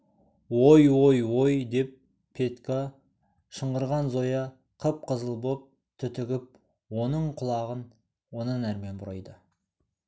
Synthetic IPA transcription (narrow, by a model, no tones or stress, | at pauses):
wojwojwo̞jd̪e̞p̚ | pʰːe̞t̪ka | ʃəɴʁəɾʁɑnzo̞jɑ | qʰəp̚qʰəzəlˠbop̚ | t̪ʰʏt̪ɪɡʲɪp̚ | wonəɴqʰʊlˠɑʁən | wo̞nənæɾme̞nbʊɾɑjd̪ə